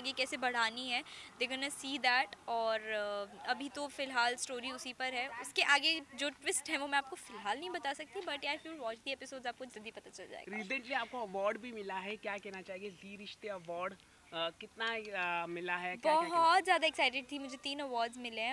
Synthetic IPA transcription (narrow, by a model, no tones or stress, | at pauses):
aɡekɛːsebɐɽ̤aːniɦɛːd̪eːɡɔnasiːd̪ɛːʈɔːɾɐbʱit̪ofɪlɦaːlsʈoːɾiʊsipɐɾɦɛʊskeʔaːɡed͡ʒoːʈwɪsʈɦɛ̃ʋomɛ̃aːp̚kofɪlɦaːlnɐɦĩbɐt̪asɐk̚t̪ĩbɐʈjaːfɪɾʋaːt͡ʃd̪ieːpɪsoːɖzaːp̚kod͡ʒɐd̪ipɐt̪at͡ʃɐld͡ʒa̰ːḛɡɾaiːsə̃ɳʈliaːp̚koɐʋɔːɾɖbʱimɪlaɦɛkjaːkɛɦnat͡ʃaːɦĩeziːɾɪʃt̪eɐʋɔːɾɖ | kɪt̪namɪlaɦɛkbɔɦɔːt̪zjaːd̪aɛksaɪʈɪɖ̚t̪ʰimʊd͡ʒʱet̪iːnɐʋɔːɾɖzmɪlẽ